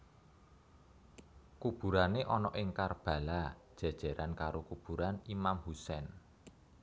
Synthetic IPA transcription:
kub̥ṳɾaneʔɔnɔʔɪŋkarb̥ä̤lad̥ʒ̥a̤d̥ʒ̥a̤ɾankaɾokub̥ṳɾanimamhusɛn

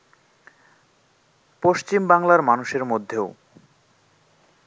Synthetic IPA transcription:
poʃt͡ɕimbaŋlaɾmanuʃeɾmod̪ʱːeo

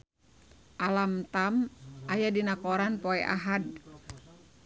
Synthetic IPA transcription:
ʔalamt̪amʔajadinakoɾanpoɛʔa̰ɦad

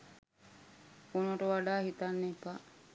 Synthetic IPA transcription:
onoʈəʋaɖaːhit̪anːepːa

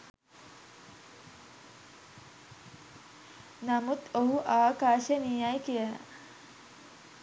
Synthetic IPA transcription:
namut̪oɦuʔaːkaːʃənijajkijəla̰

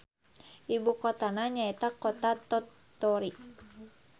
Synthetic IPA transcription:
ʔibukɔt̪anaɲaɛt̪akɔt̪at̪ɔ | t̪ɔɾi

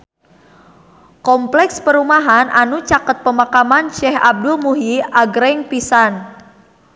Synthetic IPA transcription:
kɔmplɛkspəɾumaɦanʔanut͡ʃakət̪̚pəmakamanʃɛhab̚dulmuɦiaɡɾɛŋpisan

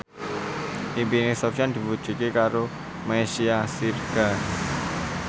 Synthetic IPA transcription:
ʔimpinesɔpʃand̪̥i̤pud̥ʒ̥ṳkekaɾo | meʃiasirɡ̥a

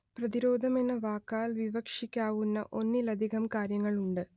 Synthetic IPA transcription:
prɐðiɾo̞ːd̪ʱɐmenːɐʋaːkːaːlʋiʋɐkʂikʲːaːʋunːɐ̰ʔo̞nːilɐd̪ʱiɣɐmkaːɾjɐŋːɐɭuɳɖɨ

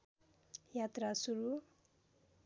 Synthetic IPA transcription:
jat̪rasuɾu

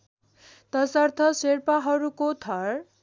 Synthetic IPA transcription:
t̪ʌsʌrt̪ʰʌserpaɦʌɾukot̪ʰʌr

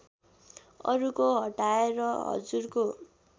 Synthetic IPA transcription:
ʌ̰ɾukoɦʌʈaeɾʌɦʌ̰d͡zurko

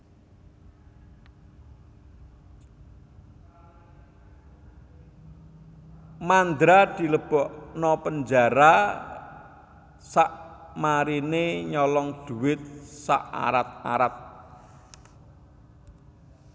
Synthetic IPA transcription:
mand̪ɾad̪̥i̤ləb̥ɔʔnɔpəɲd͡ʒaɾa | saʔmaɾineɲɔlɔŋd̪̥ṳwɪt̪̚sa̰ʔa̰ɾat̪̚a̰ɾat̪̚

